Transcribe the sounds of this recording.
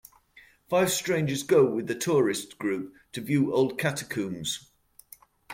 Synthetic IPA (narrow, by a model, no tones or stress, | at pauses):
faɪv̥stɹ̥ẽɪ̃nd͡ʒəzɡoʊwɪðətʰɔːɹɪsɡ̥ɹʉˑp̚tʰəvjʉːʔoʊlˠd̚kʰatəkʰʉ̃ːmz̥